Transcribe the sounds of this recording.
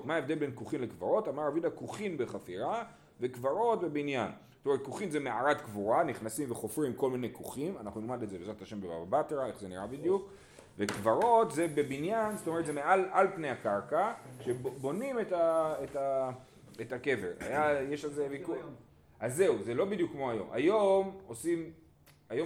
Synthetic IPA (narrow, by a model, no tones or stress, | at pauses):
maevd̪e̞lbe̞nkuχimlekvaʁo̞tamaʁavid̪akuχinbe̞χafiʁa | ve̞kvaʁo̞tbe̞binjan | tome̞et̚kuχimzemeaʁat̪kvuʁaniχnasimveχo̞fʁimko̞lminejkuχimanaχnunilmadezebezataʃe̞mbea̰babat̪eʁae̞χzeniʁabid̪juk | vekvaʁo̞tze̞be̞binjanztome̞ʁetzemealalpnejakaʁkaʃebo̞nimetaeta | etake̞ve̞̰ʁa̰jajeʃalzeviku | azːe̞uze̞lo̞bid̪jukːmo̞ajo̞̰mʔa̰jo̞mo̞sim | ajo